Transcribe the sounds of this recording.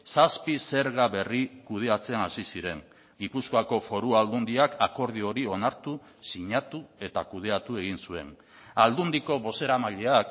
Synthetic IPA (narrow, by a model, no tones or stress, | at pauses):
saspise̞ɾɣaβe̞rikuð̞e̞at͡se̞nasisiɾe̞ŋ | ɡipuskoako̞fo̞ɾuald̪und̪iakako̞ɾð̞io̞ɾio̞naɾt̪u | siɲat̪ue̞t̪akuð̞e̞at̪ue̞ɣ̞insue̞̰n | ald̪und̪iko̞βo̞se̞ɾamaʎe̞ak